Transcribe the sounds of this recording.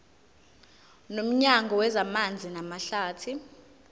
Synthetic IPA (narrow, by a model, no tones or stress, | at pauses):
nom̩ɲaŋɡʱɔwɛzamand͡zʱinamaɬaːtʰi